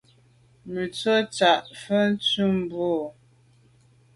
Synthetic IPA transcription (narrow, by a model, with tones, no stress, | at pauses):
mʉ˨t͡so˦t͡sa˨ʔfə˦n̩˦t͡su˦m˨bo˦˨